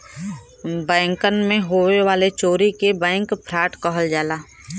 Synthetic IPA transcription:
bɛ̃ːŋkənmẽɦoːweʋaːlet͡ʃoːɾikebɛ̃ːŋkpʰɾaːʈkəɦəld͡ʒaːlaː

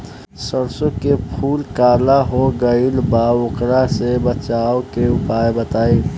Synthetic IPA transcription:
səɾsokepʰuːlkaːlaɦoɡəilbaokɾasebət͡ʃaːokeʊpaːjbət̪aːe

